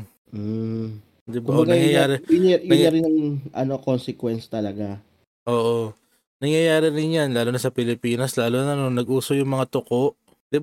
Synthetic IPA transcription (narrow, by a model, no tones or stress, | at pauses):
m̩ | d̪ɪbaʔ̪ɐŋjɐjaːɾɛjʊnj̪ɐŋɐɾɪnɐŋʔɐ̰nokonsɛkwɛnst̪ɐlɐɡa | ʔoːʔo̞ | nɐŋjɐjaːɾɪnɪnjanlaːlonɐsɐpɪlɪpiːnɐslaːlonɐnonɐɡʔuːsojʊŋmɐŋat̪ʊko̞ʔ | d̪̥ɪb